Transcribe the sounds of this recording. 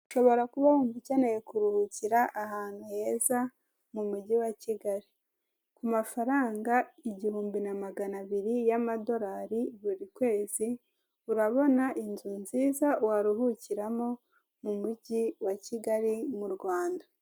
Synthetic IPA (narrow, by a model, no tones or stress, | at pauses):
u̥ʃo̞βo̞ɾakuβahumvucanajekuɾuhuciɾaʔːɦaːn̥huheza | mumuɟiwaciɡaɾi | kumafaɾaːŋɡaiɟihuːmbinamaɡanaβiɾijamado̞ɾaɾiβuɾikwe̞ːzi | uɾaβo̞naʔinzunziːzawaɾuhuciɾamo̞ | mumuɟiwaciɡaɾimuɾɡwaːnda